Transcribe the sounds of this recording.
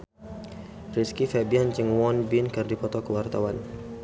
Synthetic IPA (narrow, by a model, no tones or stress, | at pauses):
riskifɛbiant͡ʃəŋwɔnbinkɨrdipɔt̪ɔkəwart̪awan